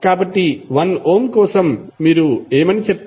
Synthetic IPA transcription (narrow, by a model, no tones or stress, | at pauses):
kaːbɐʈːiʋɐnoːmkɔːsɐmːiːɾueːmɐnit͡ʃep̪